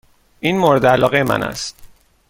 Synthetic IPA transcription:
ʔiːnmoɾed̪eælɒːɣejemʔæ̰næ̰st̪

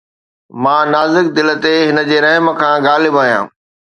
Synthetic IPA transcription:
mãːnaːzɪk̚d̪ɪlə̆t̪eɦɪnə̆d͡ʑeːɾɐɦmə̆kʰãːɡaːlɪbaːjã̰ː

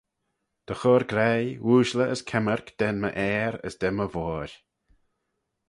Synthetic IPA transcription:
d̪̥əxɔːɾɡɾɛjwuːʃləʔəskʰɛməɾkd̪̥ɛnmə̰ʔɛːɾə̰sd̪̥ɛməvɔːɾʲ

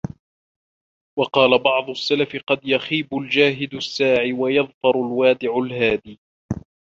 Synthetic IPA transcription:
wɑqɑːlabɑʕd̪ˤʊsːalafɪqɑd̪jaxiːbʊld͡ʒaːɦɪd̪ʊsːaːʕiwajɑðˤfɑɾˤalwaːd̪ɪʕʊlɦaːd̪iː

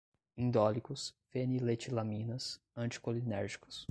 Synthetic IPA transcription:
ĩd̪ɔlikʊsfenilet͡ʃilamĩnɐs | ɐ̃t͡ʃi̥kolinɛɾʒikʊ̥s

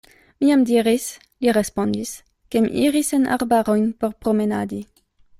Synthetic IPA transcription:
miamd̪iʁis | liʁespond̪is | kemḭḭʁisenʔa̰ʁbaʁojnpeʁpʁomenad̪i

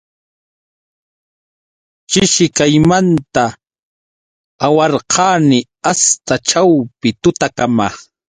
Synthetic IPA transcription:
t͡ʃɪʃɪkajmant̪a | wɑɾqʰɑːnɪ | ast̪at͡ʃawpɪt̪ʊt̪akama

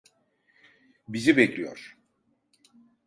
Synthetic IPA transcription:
bizibeclʲijo̰ɾ̥

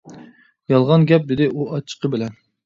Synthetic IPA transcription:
jɑlˠʁɑnɡʲɛp̚d̪ɪd̪ɪʔuɑt͡ʃʰːə̥qəbɪlɛn

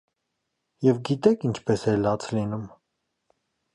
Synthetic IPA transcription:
jɛvɡit̪ɛkʰint͡ʃʰpɛsɛlɑt͡sʰlinum

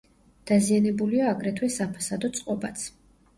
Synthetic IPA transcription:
d̪̥azianɛbuliaːɡɾɛt̪ʰwɛsapʰasad̪ɔt̪sʼqʼɔbat̪sʰ

